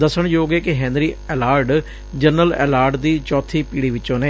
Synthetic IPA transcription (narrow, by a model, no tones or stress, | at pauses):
d̪əsəɳjoːɡeːkɪɦɛ̃ːnɾiːɛːlaːɾɖ | d͡ʒənəlɛ̰ːlaːɾɖd̪iːt͡ʃɔːt̪ʰiːpiːɽiːʋɪtːõːneː